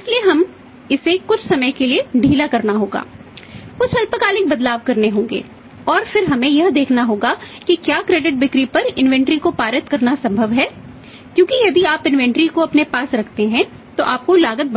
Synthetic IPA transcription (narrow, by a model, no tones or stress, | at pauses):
ɪslieɦɐm | ɪsekʊt͡ʃʰsɐməjkelieɖʱiːlakɐɾnaɦoːɡa̰ːkʊt͡ʃʰɐlpəkaːlɪk̚bɐd̪laːʋkɐɾneɦõːŋ̆ɡḛː | ɔːɾfɪɾɦɐmẽjɐɦd̪eːkʰnaɦoːɡa | kikjaːkɾeːɖɪʈ̚bɪkɾipɐɾɪnʋɛ̃ɳʈɾikopaːɾət̪kɐɾnasɐ̃mbʱəʋɦɛː | kjõːkijɐd̪iaːpɪ̃nʋɛ̃ɳʈɾikoɐpnepaːsɾɐkʰt̪eɦɛ̃ | t̪oʔaːp̚kolaːɡət̪̚b